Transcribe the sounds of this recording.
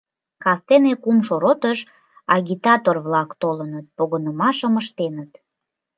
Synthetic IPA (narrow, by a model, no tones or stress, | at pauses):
kɑst̪enekumʃoɾot̪əʃ | ɑɣʲit̪ɑt̪orβlɑkt̪olənət̪̚poɣənəmɑʃəməʃt̪enət̪